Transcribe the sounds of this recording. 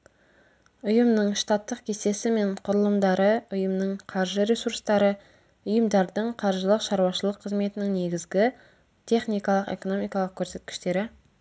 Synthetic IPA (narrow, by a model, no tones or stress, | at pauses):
ʊjəmnəɴʃt̪ɑt̪ːəq̚kʲʰese̞sɪme̞ɴqʰʊɾəlˠəmd̪ɑɾəʊjəmnəɴqʰɑɾʒəɾesuɾst̪ɑɾə | ʊjəmd̪ɑɾd̪əɴqʰɑɾʒəlˠəqʃɑɾuwɑʃəlˠəqʰːəzme̞t̪ɪnɪŋne̞ɡʲɪzɡʲɪ | t̪ʲʰe̞χnijkɑlˠəqe̞̰ko̞no̞mijkɑlˠəq̚kʲʰɵɾse̞t̪̚kʲɪ̥ʃt̪e̞ɾɪ